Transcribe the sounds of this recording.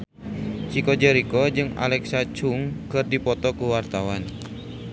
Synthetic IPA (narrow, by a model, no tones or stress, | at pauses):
t͡ʃikɔd͡ʒɛɾikɔd͡ʒɨŋa̰lɛksat͡ʃuŋkɨrdipɔt̪ɔkuwart̪awan